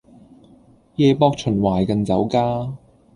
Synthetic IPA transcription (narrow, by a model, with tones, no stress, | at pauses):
jɛː˧pɔː˧k̚t͡ʃʰɵ˨˩nwaː˨˩jkɐ˧nt͡sɐ˨˥wkaː˥